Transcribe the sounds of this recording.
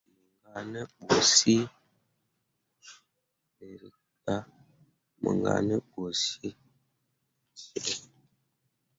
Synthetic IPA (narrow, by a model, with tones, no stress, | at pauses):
mə˨ŋɡa˨nə˦ɓo˨si˦ | ne˨ɾi˨ | ka˦ | mə̰˨ŋɡa̰˨nə˦ɓo˨si˦ | si˨e˦˨